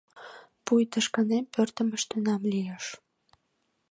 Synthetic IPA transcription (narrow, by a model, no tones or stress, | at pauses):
pujt̪əʃkənempørt̪ə̆mə̆ʃt̪ynɑmlijəʃ